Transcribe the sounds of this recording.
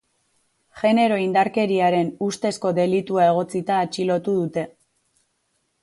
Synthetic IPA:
ʝe̞ne̞ɾo̞ind̪aɾke̞ɾiaɾe̞nust̪e̞sko̞ðe̞lit̪uae̞ɣ̞o̞t͡sit̪aːt͡ʃilo̞t̪uðut̪e̞

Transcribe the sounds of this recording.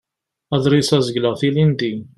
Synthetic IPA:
æðˤɾisæzəɡləʁθilind̪i

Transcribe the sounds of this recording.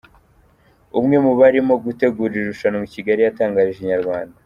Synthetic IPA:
umŋe̞muβaɾimo̞ɡute̞ɡuɾiɾeɾuʃanomuciɡaɾijataːŋɡaɾiʒeɲaɾɡwaːnda

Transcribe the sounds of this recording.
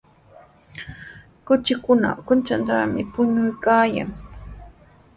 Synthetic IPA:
kʊt͡ʃɪkʊna̰kʊnt͡ʃant̪amɪpʊɲʊjkaːja̰ŋ

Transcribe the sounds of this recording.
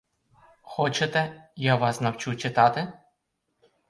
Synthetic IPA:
xɔt͡ʃet̪ɛjaʋɑsnɐwt͡ʃut͡ʃɪt̪ɑt̪ɪ

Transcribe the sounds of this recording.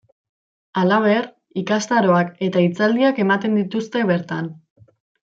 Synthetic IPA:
alaβ̞e̞r | ikast̪aɾo̞ake̞t̪ait͡sald̪iake̞mat̪e̞nd̪it̪ust̪e̞β̞e̞ɾt̪an

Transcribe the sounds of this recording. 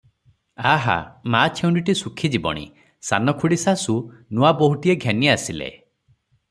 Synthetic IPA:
aɦa̰mat͡ʃʰew̃ɳɖiʈisukʰid͡ʒibɔ̰ɽ̃ḭ | sa̰nɔkʰuɽisasunuaboɦuʈieɡʱeniasilḛ

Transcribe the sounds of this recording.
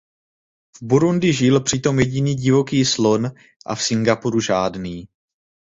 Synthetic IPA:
vbuɾundɪʒɪlpr̝̥ɪt̪o̞mjɛɟiniːɟɪvo̞kiːslo̞n | ʔa̰fsɪŋɡapuɾuʒaːdniː

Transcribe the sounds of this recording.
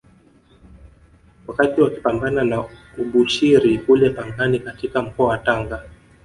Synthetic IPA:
wakatiwaki̥pambanana | uɓuʃiɾikulɛpaŋɡanikatikam̩kɔawataŋɡa

